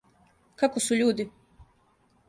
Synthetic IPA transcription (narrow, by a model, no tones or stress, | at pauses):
kakosuʎuːd̪i